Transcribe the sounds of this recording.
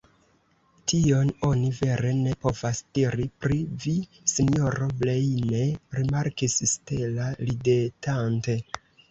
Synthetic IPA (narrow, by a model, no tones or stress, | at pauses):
tio̞no̞nive̞ɾe̞ne̞po̞vasd̥iɾipɾivi | sinio̞ɾo̞blejne̞ɾimaɾkisstelalide̞tʰante̞